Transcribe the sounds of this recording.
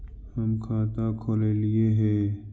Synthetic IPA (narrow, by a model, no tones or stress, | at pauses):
hɐmkʰaːt̪aːkʰoːlelieɦɛ̃ː